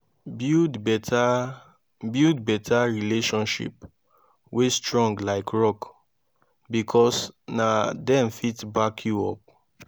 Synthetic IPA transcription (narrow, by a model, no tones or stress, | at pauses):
budba | bidbɛtʰaɹileʃɔ̃nʃḭp | westɹɔ̃ŋɡlaɪkɹɔk | bikʰɔsnadɛ̃nfitbakʰjuɔp̚